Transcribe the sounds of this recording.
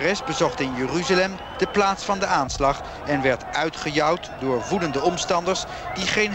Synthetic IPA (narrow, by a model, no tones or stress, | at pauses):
rɛsbəzɔχtɪnjəryzalɛm | dəplaːtsfɑndəaːnslɑχ | ɛnʋɛɹtœɥtχəjɑwtdʊːɹvudəndəɔmstɑndəɹs | d̥iχejn